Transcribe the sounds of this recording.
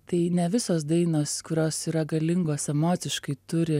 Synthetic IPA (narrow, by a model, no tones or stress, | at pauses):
t̪ɐɪnʲɛʋʲɪsoːsd̪ɐɪnoːskʊɾʲoːsiːɾɐɡɐlʲɪŋɡoːsɛmoːt̪ʲɪʃkɐɪt̪ʊɾʲɪ